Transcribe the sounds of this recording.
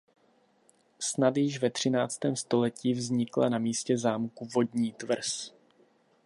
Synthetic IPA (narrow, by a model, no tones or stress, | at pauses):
snat̪jɪʃvɛt̪r̝̥ɪnaːt͡st̪ɛːmst̪o̞lɛciːvzɲɪkla̰namiːscɛzaːmkuvo̞dɲiːt̪vr̩s